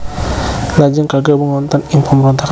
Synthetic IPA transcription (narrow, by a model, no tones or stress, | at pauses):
lad͡ʒaŋkaɡabəŋɔnt̪anɪŋpəməɾɔnt̪ak